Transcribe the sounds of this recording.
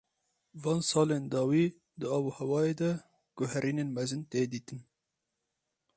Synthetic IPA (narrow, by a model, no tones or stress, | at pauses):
vɑːnsɑːlend̪ɑːwiː | d̪ɨɑːboːhɛwɑːeːd̪ɛ | ɡ̥ʊɦɛɾʔiːnenmɛzɨnt̪eːd̪iːt̪ɨn